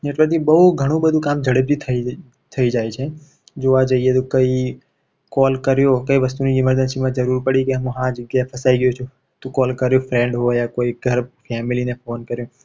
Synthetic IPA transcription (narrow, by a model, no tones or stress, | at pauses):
neʈʋəɾt̪ʰibəɦuɡʱəɽ̃ũbəd̪ʱũkamd͡ʒʱəɽəb̚d͡ʒ̪it̪ʰəi | t̪ʰəid͡ʒajt͡ʃʰe | d͡ʒoad͡ʒəiet̪okəi | kɔlkəɾjokəiʋəst̪uniɪməɾd̪ənsimãd͡ʒəɾuɾpəɽikeəmũɦãd͡ʒəɡjaɦepʰəsaiɡəjot͡ʃʰu | t̪õkɔlkəɾjofɾẽɳɖɦojakoiɡʱəɾfʰɛmilinefoːnkəɾjõ